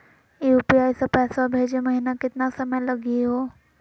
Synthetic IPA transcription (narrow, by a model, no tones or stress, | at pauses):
iupiaːjsapɛːsabʱeːd͡ʒeməɦinakɪt̪nasəməjləɡeɦoː